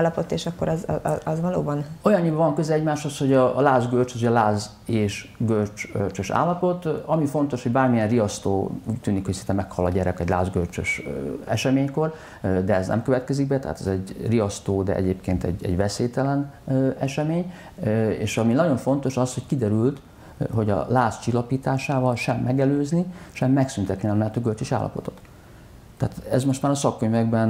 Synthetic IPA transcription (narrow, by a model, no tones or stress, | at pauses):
lːɒpot̪eːʃɒkːoɾɛz̰ɛzʋɒloːbɒno̞jɒɲːibɛvɒŋkøzɛlɛɟmaːʃhosho̞ɟɒlaːzɡølt͡ʃɒs̬ojɒlaːz | eːʃɡølt͡ʃølt͡ʃøʃa̰ːlːɒpo̞t̪ɒmifo̞nt̪o̞ʃhoɟbaːrmijɛnrijɒst̪o̰ːuːct̪yːnikhocsint̪ɛmɛkhɒlɒɟɛɾɛkɛɟla̰ːzɡølt͡ʃø̰ʃɛʃɛmeːɲko̞r | d̪ɛɛznɛ̰mkøvɛt̪kɛziɡ̚bɛt̪ɛ̰ɦa̰t̪ɛ̰zɛɟrijɒst̪oːd̪ɛ̰ʔɛ̰ɟeːpkeːnt̪ɛ̰ɟɛ̰ɟvɛseːt̪ɛlɛn | ɛʃɛmeːɲ | ḛːʃɒminɒɟo̞ɱfo̞nt̪o̞ʃɒshockid̪ɛɾylt̪ | ɦo̞ɟɒ̰laːst͡ʃilːɒpiːt̪aːʃaːvɒlʃɛmːɛɡɛløːzniʃɛmːɛksynt̪ɛt̪ninɛmnɛt̪oɡølt͡ʃøʃa̰ːlːɒ̰po̞̰t̪o̞̥t̪ː | ɛ̰ːt̪ɛzmo̞ʃt̪maːɾɒsɒkːøɲvɛɡbɛn